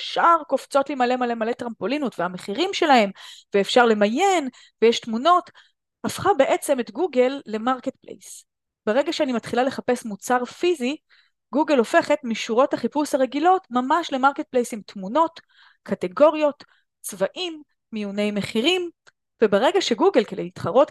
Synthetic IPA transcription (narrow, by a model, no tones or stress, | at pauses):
fʃaʁkoft͡so̞tlimale̞male̞male̞t̪ʁampo̞linutveameχiʁimʃe̞lahe̞mveːfʃaʁle̞majen | vejeʃtmuno̞t | afχabe̞ʔe̞t͡se̞me̞tɡuɡe̞lːe̞maʁket̪̚plḛjs | beʁe̞ɡaʃeanimatχilale̞χapesmut͡saʁfizi | ɡuɡe̞lo̞fe̞χe̞tmiʃuʁo̞thaχipushaʁe̞ɡilo̞tmamaʃle̞maʁket̚plejsimtmuno̞t | kʰate̞ɡo̞ʁijo̞t | t͡svaʔimː | ijune̞jme̞χiʁim | vebeʁe̞ɡaʃe̞ɡuɡe̞lkedejitχaʁo̞t